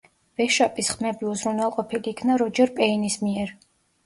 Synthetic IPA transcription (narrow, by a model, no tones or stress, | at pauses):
vɛʃapʼisχmɛbiuzɾunwɛlˠqʼɔpʰiliːkʰnaɾɔd͡ʒɛɾpʼɛinismiɛɾ